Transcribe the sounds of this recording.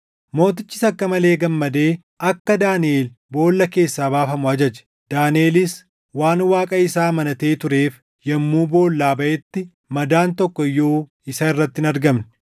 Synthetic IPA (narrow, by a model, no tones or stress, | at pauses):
mo̞ːt̪̬ɪt͡ʃːɪ̥sɐkːɐmɐle̞ːɡɐmːɐd̪eː | ɐkːɐd̪aːnɪeːl | bo̞ːlːɐke̞ːsːaːbaːfɐmʊɐd͡ʒɐd͡ʒɛ̥ | d̪̥aːnɪeːlɪs | waːnwaːkʼɐɪsaːmɐnɐt̪e̞ːt̪ʊɾe̞ːf | jɐmːuːbo̞ːlːaːbɐʔɛt̪ːɪ | mɐd̪aːnt̪ɔkːɔɪjo̞ː | ɪsɐɪrːɐt̪ːɪɪnɐɾɡɐmn